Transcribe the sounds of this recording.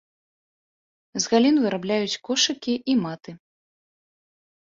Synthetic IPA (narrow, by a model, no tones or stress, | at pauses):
zɣalʲinvɨɾablʲajut͡sʲkɔʂɨkʲiʔimat̪ɨ